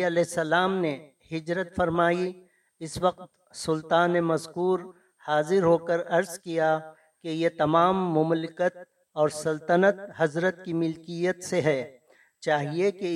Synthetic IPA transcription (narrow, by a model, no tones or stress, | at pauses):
ɐlɛɦɪsːɐlaːmne | hɪd͡ʒɾət̪fɐɾmaːi | ɪswɐq̚t̪ | sʊlt̪aːnːemɐzkuːɾ | haːzɪɾɦoːkəɾɐɾzkija | kejet̪ɐmaːmːʊmlɪkət̪̚ | ɔːɾsɐlt̪ənət̪̚ɦɐzɾət̪kimɪlkijət̪seɦɛː | t͡ʃaːɦieke